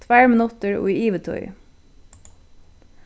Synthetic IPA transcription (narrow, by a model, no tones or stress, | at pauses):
t̪ʰʋæːɹmɪnʊt̪əɹo̰ːiiːʋət̪ʰɔ̰ʏ